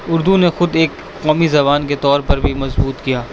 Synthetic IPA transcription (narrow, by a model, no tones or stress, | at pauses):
ʊɾd̪unexʊd̪eːkːɔːmizɐbaːnk̬et̪ɔːɾpɐɾbʱimɐzbuːt̪kijaː